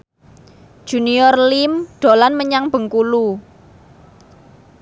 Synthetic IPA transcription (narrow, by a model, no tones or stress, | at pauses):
ʒ̥ṳniɔrlimɖ̪̥o̤lanməɲaŋb̥ə̤ŋkulu